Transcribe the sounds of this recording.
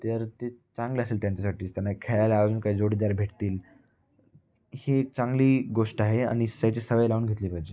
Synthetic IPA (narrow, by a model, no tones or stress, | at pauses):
t̪əɾt̪et͡saŋɡliəseːlt̪jaɲt͡ɕasaʈiːt̪janːakʰeɭalaːd͡zuːnkaid͡zoɽid̪aɾbʱeʈt̪iːl | heːk̚t͡saŋɡliːɡoʂʈaɦea̰ɽ̃issəjt͡ɕesəʋəjlaʋuːnɡʱet̪liːpaɦjd͡ʑe